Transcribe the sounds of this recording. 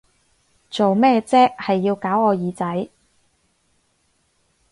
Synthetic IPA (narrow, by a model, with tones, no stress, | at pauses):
t͡so˨wmɛː˥t͡sɛː˥k̚hɐ˨jːiː˧wkaː˨˥wɔː˨˧jiː˨˧t͡sɐ˨˥j